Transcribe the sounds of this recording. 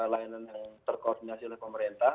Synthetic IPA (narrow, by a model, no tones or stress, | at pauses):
lainanjaŋt̪ərkordinasilɛhpəməɾent̪a